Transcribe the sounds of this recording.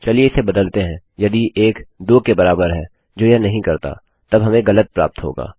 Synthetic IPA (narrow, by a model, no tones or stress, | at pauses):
t͡ʃɐlieɪsebɐd̪əlt̪eɦɛ̃ | jɐd̪iʔeːkd̪oːkebɐɾaːbəɾɦɛː | d͡ʒoːjɛɦnɐɦĩkɐɾt̪a̰ | t̪ɐbɦɐmẽɡɐlət̪̚pɾa̰ːp̚t̪ɦo̰ːɡa̰ː